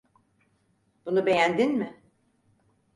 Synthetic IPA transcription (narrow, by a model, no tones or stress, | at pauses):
b̥unube̞jænd̪inmɪ